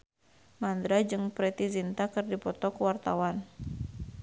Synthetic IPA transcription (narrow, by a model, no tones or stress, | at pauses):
mand̪ɾad͡ʒɨŋpɾɛt̪izint̪akɨrdipɔt̪ɔkuwart̪awan